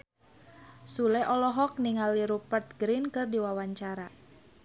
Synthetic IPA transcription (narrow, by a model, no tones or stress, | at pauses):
sulɛʔɔlɔɦɔk̚niŋaliɾupərt̪̚ɡɾinkɨrdiwawaɲt͡ʃaɾa